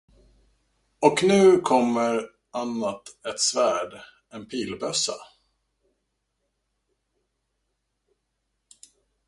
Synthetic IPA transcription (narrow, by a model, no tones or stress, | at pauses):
ɔknʉ̟ːkʰɔmːəɾ | anːat̪ɛt̪svæːɖ | ɛnpʰiːlbœsa̰